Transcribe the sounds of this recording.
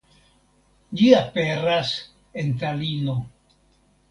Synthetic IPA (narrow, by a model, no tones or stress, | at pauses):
d͡ʒiape̞ɾas | e̞nt̪̬alino̞